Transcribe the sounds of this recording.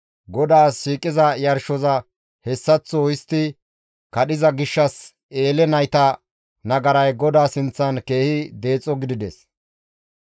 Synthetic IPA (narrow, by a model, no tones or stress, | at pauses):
ɡɔd̪aːsʃiːkʼɪzɐjɐɾʃɔzɐ | hɛsːɐt͡sːoɪst̪ːɪ | kɐɗɪzɐɡɪʃːɐs | e̞ːlɛnɐjt̪ɐ | nɐɡɐɾɐjɡɔd̪aːsɪnt͡sːɐnkeːhɪd̪e̞ːt͡sʼːɔɡɪd̪ɪd̪ɛs